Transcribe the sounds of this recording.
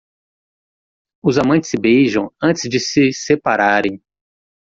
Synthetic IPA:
ʊzamɐ̃nt͡ʃɪ̥sɪbejʒɐ̃w̃ɐ̃nt͡ʃɪzd͡ʒɪsɪsepaɾaɾẽj̃

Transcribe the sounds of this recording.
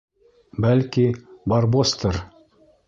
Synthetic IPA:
bælkibaɾbost̪ɤɾ

